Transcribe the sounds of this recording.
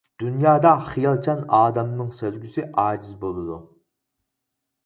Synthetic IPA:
d̪̥unjɑːd̪ɑχijɑlˠt͡ʃʰɑnɑːd̪ɑmnɨŋsøɾɡʲysɪʔɑːd͡ʒizbolˠɨd̪u

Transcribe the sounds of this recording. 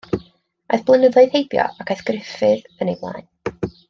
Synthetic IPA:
a̰jθb̥lˠənəðɔɨð̥hejbjɔ̰akʰajθɡ̥rɪfɨðənejblˠa̰ːɨn

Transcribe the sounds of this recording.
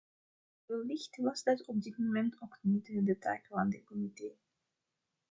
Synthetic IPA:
bəllɪxtʋɑzdɑtɔb̚dɪtmomɛntʰokdnitədəta̰ːkvaːndəkɔmiteː

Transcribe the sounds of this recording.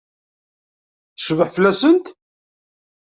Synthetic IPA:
θəʃvəħfəlːæsənt̪

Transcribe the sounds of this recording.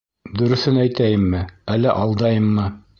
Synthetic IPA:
d̪ɵ̆ɾɵ̆θɘnæjt̪æjɘmːɘælːæʔɑlˠd̪ɑjɤmːɤ

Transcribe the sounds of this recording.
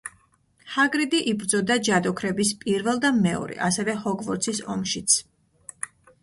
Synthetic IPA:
haɡɾid̪iʔibɾd̪zɔd̪ad͡ʒad̪ɔkʰɾɛbispʼiɾvɛlˠd̪amɛɔ̰ɾɛ̰ʔasɛvɛhɔɡvɔɾt̪sʰisɔ̰mʃit̪sʰ

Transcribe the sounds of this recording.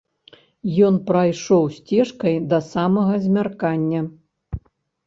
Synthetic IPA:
jɔnpɾajʂɔwsʲt͡sʲɛʂkɐjd̪ɐsamɐɣɐzʲmʲarkanʲːɐ

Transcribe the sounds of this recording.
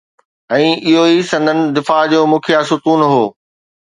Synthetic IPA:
ɛ̃ːɪɦoisɐ̃nd̪ʱənɪ̆d̪ɪfaːɦd͡ʑoːmʊkʰijasʊk̪uːnɦoː

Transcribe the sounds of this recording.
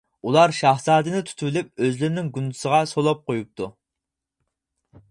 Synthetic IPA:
ulˠɑɾʃɑhsɑːd̪ɨnɪt̪ʰu̥t̪ʰybɪlyp̚øzlɪɾɪnɪŋɡund̪u̥səʁɑsolˠɑp̚qʰojup̚t̪ʰu

